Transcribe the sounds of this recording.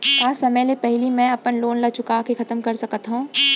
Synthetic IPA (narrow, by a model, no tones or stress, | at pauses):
aːsɐməlepɛɦɪlimɛ̃ɐpənloːnlɐt͡ʃʊkaːkexʰɐt̪əmkɐɾsɐkət̪ɦũː